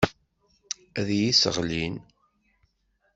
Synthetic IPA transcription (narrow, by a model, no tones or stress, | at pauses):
æðjisə̰ʁlin